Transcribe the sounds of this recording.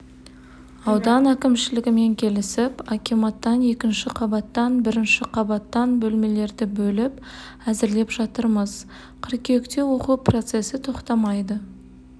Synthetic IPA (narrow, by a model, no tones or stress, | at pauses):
ɑwd̪ɑnækʲɪmʃɪlɪɡʲɪme̞ŋkʲʰe̞lɪsɪpɑkʲemɑt̪ːɑne̞kʲɪnʃɪqʰɑbɑt̪ːɑnbɪɾɪnʃɪqʰɑbɑt̪ːɑnbɵlme̞le̞ɾd̪ɪbɵlɪp | æzɪɾle̞pʒɑt̪əɾməz̥ | qʲʰɪɾkʲe̞kt̪e̞wo̞qupro̞t̪se̞sɪt̪ʰo̞qt̪ɑmɑjd̪ə